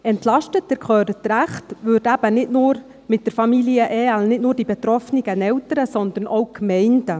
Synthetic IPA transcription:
ɛntlɑʃtətdɛɾkχøːɾətɾæχtʋʏːrdæb̥ənɪtnʊːɾ | mɪt̚d̥əɾfɑmiliəʔɛːælnɪtnʊːɾd̥ibɛt̪ɾɔfnɪɡənɛwtəɾəsɔnd̪ərnʔoʊkmɛɪndə

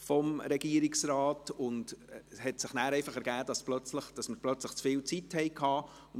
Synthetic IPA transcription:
fɔmɾɛɡiəɾɪksɾɑːtʊndhɛtsɪχnæːɾɛɪfɑχɛɾɡ̥æːd̥ɑsplœt͡sləχd̥ɑsməɾb̥lœt͡sləχt͡sfɪːlt͡sithɛɪkʰɑː | ʊn

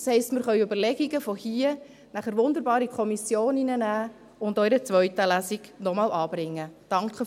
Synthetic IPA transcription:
shɛɪstmɪɾχœʏybəlɛɡiɡəfɔhiə | næχəɾʋʊnd̪əɾbɑːɾikʰɔmisjoːninənæː | ʊndœʏɾət͡sʋœʏtəlæziɡnɔmɑːlɑːb̥ɾɪŋːəd̥ɑŋkχə

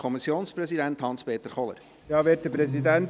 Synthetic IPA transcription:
kʰɔmisːjoːnsprɛsidænt̪hɑnspeːt̪əɾχɔlə̰ɾ | jɑːʋeːt̚d̥əpɾɛsidɛnt

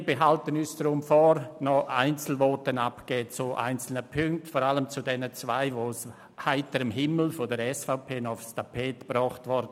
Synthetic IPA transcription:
beɦaltənyːsd̥ɐɾʊmfɔɾnɔa̰ɪnt͡sl̩vɔːtənapɡ̥eːt͡suʔa̰ɪnt͡sl̩nəpʰʏŋk̚tfɔːɾaləmt͡sudɛnət͡svaɪʋoːs | haɪtəɾɪmɦɪml̩fɔdəɾɛsfaʊpʰeːnɔfstʰapʰɛːtb̥ɾɔχtvɔɾd

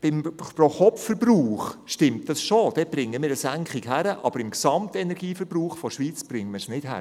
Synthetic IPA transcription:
b̥ɪmproχɔffəɾbruːχʃtɪmt̚d̥ɑsʃod̥ɛb̥ɾɪŋːəmɪːɾəsæŋkχɪɡɦæɾəʔɑ̰b̥əɾɪmksɑmtɛnɛɾɡiːfəɾbruːχfɔʃʋiːt͡sb̥ɾɪŋːəməsnɪd̥ɦæ̰ɾə

